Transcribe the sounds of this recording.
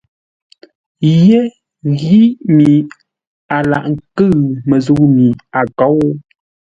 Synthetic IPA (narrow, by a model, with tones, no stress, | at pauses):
je˦ | ɣi˦mi˨ | a˨la̰˨ʔŋ˨kɨ˦˨mə˨zu˦mi˨a˨kɔ˨˦w